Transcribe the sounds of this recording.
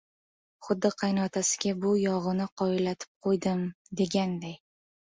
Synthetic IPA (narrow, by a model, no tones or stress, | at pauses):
χʊd̪ːɨqʰɑjnɒt̪ʰasɪ̥ɡʲabʊjɒʁɨnɪqʰɒɪlat̪ʰɪ̥p̚qʰojd̪ɪm | d̪e̞ɡʲand̪aj